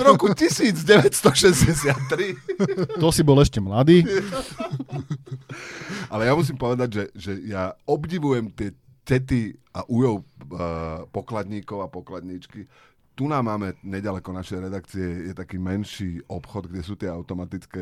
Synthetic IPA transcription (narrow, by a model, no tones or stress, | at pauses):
ɾɔkucisiːd͡zɟɛʋɛcst̪ɔʃɛzɟɛsɪat̪ːɾit̪ɔsibɔlɛʃcɛmlad̪iː | alɛjamus̬iːmpɔʋɛd̪aɟʒɛʒɛjaɔbɟiʋujɛmt̪ɪɛ | cɛt̪iaʔujɔʊ | pɔklad̪ɲiːkɔʊapɔklad̪ɲit͡ʃki | t̪unaːmːaːmɛɲɛɟalɛkɔnaʃɛjɾɛd̪akt͡siɛjɛt̪akiːmɛnʃiːɔpxɔd̪ɡɟɛsuːt̪ɪɛaʊt̪ɔmat̪it͡skɛː